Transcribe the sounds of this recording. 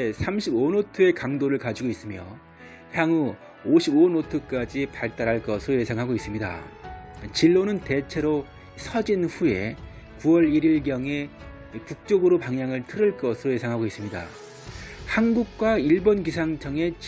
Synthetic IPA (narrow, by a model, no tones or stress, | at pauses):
esʰamɕʰibonotʰoe̞kaŋdoɾɯɭkad͡ʑiɡois͈ɯmjʌ̰ | çjaŋu | oɕʰibonotʰok͈ad͡ʑipaɭt͈aɾaɭk͈ʌsʰɯɾoje̞sʰaŋɦaɡois͈ɯmɲida̰ | t͡ɕiɭːonɯnte̞t͡ɕʰe̞ɾo | sʰʌd͡ʑinɸue̞ | kuʌɾiɾiɭɡjʌŋe̞ | kuk̚t͡ɕ͈oɡɯɾopaŋjaŋɯɭtʰɯɾɯɭk͈ʌsʰɯɾoje̞sʰaŋɦaɡois͈ɯmɲida̰ | hanɡuk̚k͈waiɭbonɡisʰaŋt͡ɕʰʌŋe̞t͡ɕ